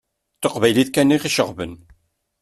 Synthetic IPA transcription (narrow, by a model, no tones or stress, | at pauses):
θəqvæjliθkænːiχiʃəʁvə̰n